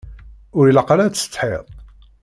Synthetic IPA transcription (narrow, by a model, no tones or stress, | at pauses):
ʊɾjələqlæt͡sːə̥t͡sːˤħeðˤ